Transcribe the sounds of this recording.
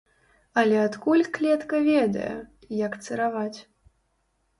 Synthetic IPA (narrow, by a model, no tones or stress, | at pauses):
ɐlʲɛat̪kulʲklʲɛt̪kɐvʲɛd̪ɐ̰jɛ̰ | jɐkt̪sɨɾavat͡sʲ